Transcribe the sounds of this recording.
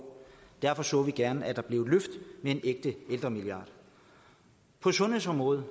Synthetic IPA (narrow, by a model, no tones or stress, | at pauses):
d̥æɐfɒ̽sɔ̰̽ːʋiɡ̥æɐnəæd̥ɑ̈b̥le̝ʊløfd̥mee̝nʔeɡ̥̚d̥əeld̥ʁɐmiliɑ̈ːd̥ | pʰɒ̽sɔ̽nesɒ̽mʁɔ̽ːð̞ˠ